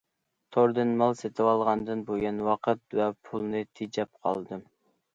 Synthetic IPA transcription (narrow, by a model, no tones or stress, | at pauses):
t̪ʰoɾd̪ɨnmɑlˠset̪ʰɪwɑlˠʁɑnd̪ɨnbojɑnwɑqʰət̪̚wɛpʰulˠnɨt̪ʰid͡ʒɛp̚qʰɑ̰lˠd̪ɨ